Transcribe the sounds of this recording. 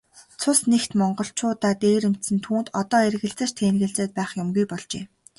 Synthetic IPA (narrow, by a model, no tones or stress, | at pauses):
t͡sʰʊsnext̪mɔɴɢɞ̆ɬt͡ɕʰʊːt̪aːt̪eːɾɘ̆m̥t̪sɘ̆nt̪ʰuːnt̪ɔt̪ɔːerɣɘ̆ɬt͡sɘ̆t͡ɕt̪ʰeːnɣɘ̆ɮt͡seːt̪̚pæːχjʊmɡujpɔɮt͡ɕḛː